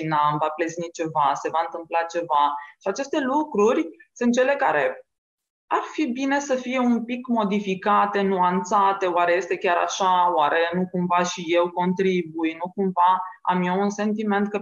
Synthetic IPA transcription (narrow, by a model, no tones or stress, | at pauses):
inamvapleznit͡ʃe̞vase̞vaɨnt̪ɨmplat͡ʃe̞vaʃiat͡ʃe̞st̪e̞lukɾurʲsɨ̃nt̪t͡ʃe̞le̞kaɾe̞ | arfibine̞səfije̞unpikmo̞d̪ifikat̪e̞nuant̪sat̪e̞oaɾe̞je̞st̪e̞kʲaɾa̰ʃawaɾe̞nukumvaʃije̞wko̞nt̪ɾibujnukumvaa̰mjounse̞nt̪ime̞nt̪̚kə